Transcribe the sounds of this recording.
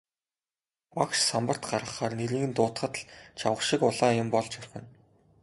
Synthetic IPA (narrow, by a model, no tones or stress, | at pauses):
wakʃsampə̆r̥t̪ɢarʁə̆χaːrneɾiːɣɘ̆nt̪ʊːt̪χə̆t̪ɮt͡ɕʰa̰wə̆χʃɪkʊɮaːjʊmpɔɮt͡ɕɔrʲxɘ̆n